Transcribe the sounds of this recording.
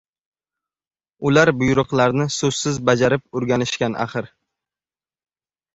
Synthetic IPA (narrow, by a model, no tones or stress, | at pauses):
ʊlaɾbʊjʊɾʊqlˠaɾnɪsɵz̥sɪzbad͡ʒaɾɪp̚ʊɾɡʲanɪʃkʲanʔa̰χɨɾ